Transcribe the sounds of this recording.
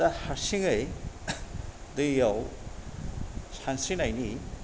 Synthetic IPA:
ahaɾsiŋɯj | dɯjaw | sansinajni

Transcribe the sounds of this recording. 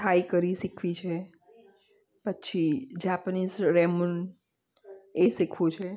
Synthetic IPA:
ʈʰaːikəɾisɪkʰʋit͡ʃʰɛ | pətːʃʰid͡ʒaːpəniːsɾɛːmʊn | esɪkʰot͡ʃʰɛ

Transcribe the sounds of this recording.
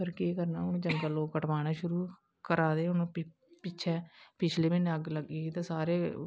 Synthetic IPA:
pəɾkeːkəɾnaːʊnõːt͡ʃəŋɡaːloːkəʈʋaːɽaːʃʊɾuː | kəɾaːd̪eːʊnõː | pɪt͡ʃʰɛːpɪt͡ʃʰleːmɪ̃neəɡləɡiːit̪ãːsaːɾeː

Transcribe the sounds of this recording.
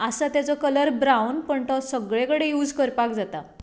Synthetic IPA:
əsat̪jat͡sɔkələɾbɾawnpəɳt̪ɔsəɡɭẽkəɽejuːd͡zkəɾpakd͡zat̪a

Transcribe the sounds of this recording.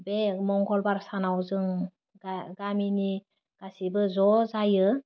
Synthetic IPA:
bemɔŋɡɔlbaɾsanawzɯŋ | ɡaɡamini | ɡ̥asibɯzɔzajɯ

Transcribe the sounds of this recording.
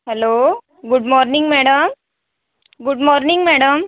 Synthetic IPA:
ɦɛloː | ɡʊɖmɔːɾniŋɡmɛɽəm | ɡuɖmɔːɾniŋɡmɛɽəm

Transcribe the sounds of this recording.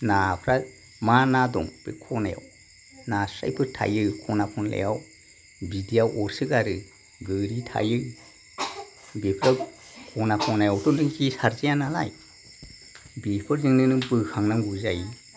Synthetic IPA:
napʰɾa | manadɔ̰ŋb̥ḛkʰɔnaja̰w | nasɾa̰jpʰɯtʰa̰jɯkʰɔnapʰɔnlḛjaw | bidijawʔɔɾsɯkaɾɯ | ɡɯɾitʰa̰jɯ | bepʰɾa | kʰɔnakʰɔnajawtɔndɯŋkisaɾzijanala̰j | bipʰɯɾzɯŋnɯnɯbɯhʰaŋnaŋɡuzaj

